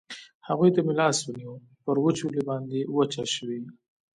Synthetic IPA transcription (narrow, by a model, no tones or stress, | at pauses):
haɣujt̪amilɑswəniwu | pəɾwət͡ʃulebɑnd̪ewət͡ʃaʃwi